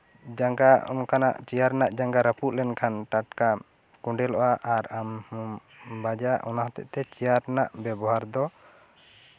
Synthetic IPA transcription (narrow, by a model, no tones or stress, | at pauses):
d͡ʒaŋɡaɔ̰nkana̰ʔt͡ʃijaɾnaʔd͡ʒaŋɡaɾəpuʔ̚lɛnkʰanʈaʈka | kuɳɖɛlɔʔaʔaɾam | bad͡ʒaʔɔnaɦt̪ɛ̰ʔt̪ɛt͡ʃijaɾnaʔbɛbɔɦaɾd̪ɔ